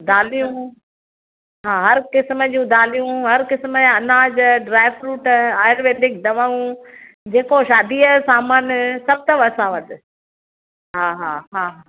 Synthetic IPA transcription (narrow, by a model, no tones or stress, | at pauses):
d̪aːlijũ | ɦaːɦɐɾkɪsməd͡ʑũːd̪aːlijũɦɐɾkɪsməd͡ʑaɐnaːd͡ʑɖɾaːɪʋɾuːʈaːɪɾʋẽːɖɪk̚d̪ɐʋaːũ | d͡ʑeːkoʃaːd̪iəsaːmaːnsɐb̚t̪ɐʋɐsãʋɐd̪ɪ | ɦaːɦaːɦaːɦaː